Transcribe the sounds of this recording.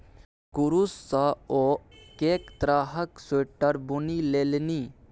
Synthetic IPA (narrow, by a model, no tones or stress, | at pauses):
kuɾusːaoːkeːkt̪ɾaːɦəksoːʈəɾbunileːlniː